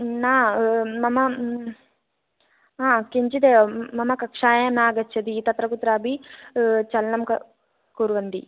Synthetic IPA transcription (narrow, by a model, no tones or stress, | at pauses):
naːmɐmɐ | aːkiɲt͡ʃid̪eːʋɐmɐmɐkɐkʂaːjɐnaːɡɐt͡ʃʰːɐd̪it̪ɐt̪ɾɐkut̪ɾaːbʱi | t͡ʃɐlnɐmkɐ | kuɾʋɐnd̪i